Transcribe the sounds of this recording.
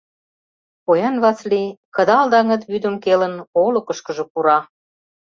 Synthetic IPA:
pojɑnβɑt͡slikə̆d̪ɑld̪ɑŋə̆t̪βyd̪ə̆mkelə̆nolə̆kə̆ʃkə̆ʒɤ̆puɾɑ

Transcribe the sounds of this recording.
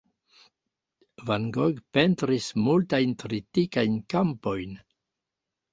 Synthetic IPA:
vanɡoɡpentɾismultajntɾitikajnkampo̞jn

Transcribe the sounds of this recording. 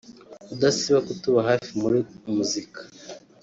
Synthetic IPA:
udasiβakutuβaɦafimuɾimuzikḁ

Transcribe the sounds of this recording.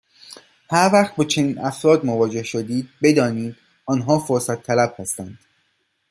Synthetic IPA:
hæɾvæːχt̪̚bɒːt͡ʃʰe̞niːnʔæfɾɒːd̪movɒːd͡ʒe̞hʃod̪iːd̪̚be̞d̪ɒːniːd̪̥ | ɒːnɦɒːfoɾsæt̪ʰːælæb̥hæst̪ænd̪̥

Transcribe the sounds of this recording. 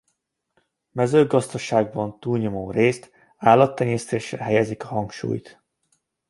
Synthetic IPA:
mɛzøːɡɒzd̪ɒʃaːɡ̚bɒnt̪uːlɲomoːreːst̪ | aːlːɒt̪ːɛɲeːst̪eːʃrɛ̰ɦɛjɛzikɒɦɒŋkʃṵːjt̪

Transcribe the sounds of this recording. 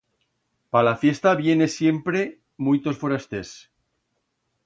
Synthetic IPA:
palafje̞st̪aβje̞ne̞sje̞mpɾe̞ | mujt̪o̞sfoɾast̪es

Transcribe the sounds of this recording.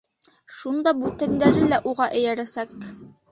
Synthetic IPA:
ʃund̪ɑbʉt̪ænd̪æɾɘlæʔuʁɑʔɘ̆jæɾæsæk

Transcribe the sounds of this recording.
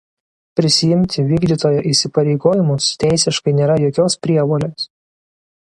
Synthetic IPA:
pʲɾʲɪsʲɪjɪmʲt̪ʲɪʋʲiːɡd̪ʲiːt̪oːjoːʔɪsʲɪpɐɾʲɛɪɡoːjɪmʊst̪ʲæˑɪsʲɪʃkɐɪnʲeːɾɐjoːkʲoːspʲɾʲiɛʋoːlʲeːs

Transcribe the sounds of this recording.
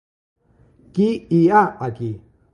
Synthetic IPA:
kiiapaki

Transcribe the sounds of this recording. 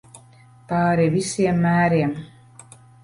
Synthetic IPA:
pɑːɾivisiɛmːæːɾiɛm

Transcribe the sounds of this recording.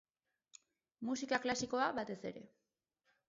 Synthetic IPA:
musikaklasiko̞aβat̪e̞se̞̰ɾe̞̰

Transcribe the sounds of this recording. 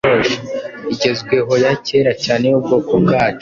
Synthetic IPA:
oʒoiɟe̞zɡwe̞ɦo̞jace̞ːɾacaːnejob̚ɡoːkobɡaːt͡ʃo

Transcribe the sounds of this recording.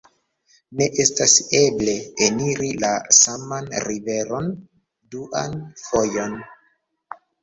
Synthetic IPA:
ne̞ʔe̞stase̞ble̞eniɾilasamanɾive̞ɾo̞n | duʔa̰nfo̞jo̞n

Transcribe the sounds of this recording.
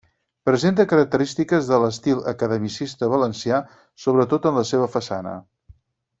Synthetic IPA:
pɾəzent̪əkəɾək̚t̪əɾist̪ikəzðələst̪ilˠə̰kəðəmisist̪əβələnsia | soβ̞ɾət̪ot̪ənləseβ̞əfəsa̰nə̰

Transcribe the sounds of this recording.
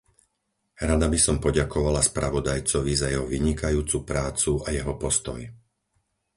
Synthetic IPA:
ɾad̪abisɔmpɔɟakɔʋalaspɾaʋɔd̪ajt͡sɔʋizajɛɦɔʋiɲikajuːt͡supɾaːt͡suajɛɦɔpɔst̪ɔ̰j

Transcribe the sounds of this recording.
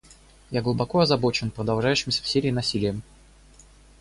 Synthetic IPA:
jaɡlˠʊbɐko̞ɐzɐbo̞t͡ɕɪnpɾəd̪ɐlˠʐajʉɕːɪmsʲə̥fsʲeɾʲɪːnɐsʲilʲɪjəm

